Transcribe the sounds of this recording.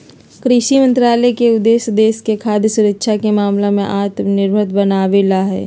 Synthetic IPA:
kɾɪʃimə̃nt̪ɾaːlekeʊd̪eːsd̪eːskekʰaːd̪ʱjəsʊɾəkʃʰakemaːmlemẽʔaːt̪mnɪɾbʱət̪bənaːʋelaɦɛ̰ː

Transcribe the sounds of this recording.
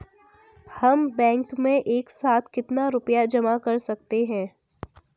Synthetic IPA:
hɐmbɛ̃ːŋkmẽʔeːksaːt̪ʰkɪt̪naɾʊpjad͡ʒɐmakɐɾsɐk̚t̪eɦɛ̃ː

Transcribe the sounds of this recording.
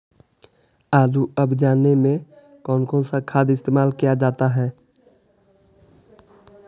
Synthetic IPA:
aːluəbd͡ʒaːnːemẽ | kɔːnkɔ̃nsakʰaːd̪ɪst̪eːmaːlkijad͡ʒaːt̪aɦɛː

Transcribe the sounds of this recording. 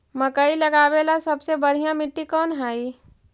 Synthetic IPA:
mɐkəilɐɡaːweːlasɐbsebɐɽ̤ijãmɪʈːikɔːnɦaːi

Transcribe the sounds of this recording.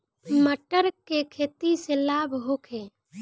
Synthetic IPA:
məʈəɾkekʰeːt̪iselaːbɦokʰeː

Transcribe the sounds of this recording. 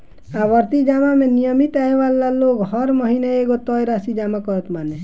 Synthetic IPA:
abʌɾt̪id͡ʒamamenijɔmit̪aɦebalːalokɦɔɾmɔɦinaeɡot̪ɔjɾasid͡ʒamakɔɾɔt̪mane

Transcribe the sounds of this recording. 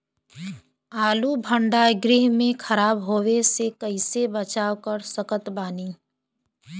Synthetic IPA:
aːlubʱə̃ɳɖaːɡɾɪɦmẽkʰɐɾaːbɦoːwesekəɪsebət͡ʃaːwkəɾsəkət̪baːniː

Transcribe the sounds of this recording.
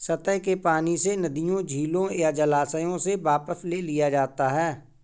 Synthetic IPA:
sɐt̪əkepaːnisenɐd̪ijõd͡ʒʱiːlõjad͡ʒəlaːsəjõsebaːpəslelɪjad͡ʒaːt̪aɦɛː

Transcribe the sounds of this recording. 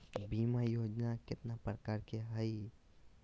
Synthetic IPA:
biːmajoːd͡ʒnakɪt̪napɾəkaːɾkeɦəi

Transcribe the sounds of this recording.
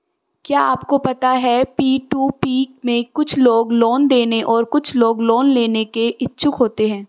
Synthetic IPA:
kjaːa̰ːpkopɐt̪aɦɛpiːʈuːpiːkmẽkʊt͡ʃʰloːɡloːnd̪eːneʔɔːɾkʊt͡ʃʰloːɡloːnleːnekeʔɪtːʃʰʊkɦoːt̪eɦɛ̃ː

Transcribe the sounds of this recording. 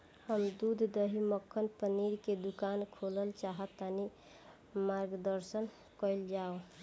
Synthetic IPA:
həmd̪ud̪ʱd̪əɦiməkʰːənpəniɾked̪ukankʰoləlt͡ʃaɦət̪ːani | maɾɡd̪əɾsən | kəɪld͡ʒao

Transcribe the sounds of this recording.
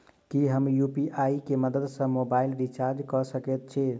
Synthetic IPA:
kiɦəmjupiʔaikeməd̪əd̪sə̃mobailɾit͡ʃaɾd͡ʒkɔsəkɛt̪̚t͡ʃʰi

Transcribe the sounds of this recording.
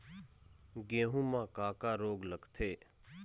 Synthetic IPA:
ɡẽːɦũːmãːkaːkaːɾoːɡləɡt̪ʰeː

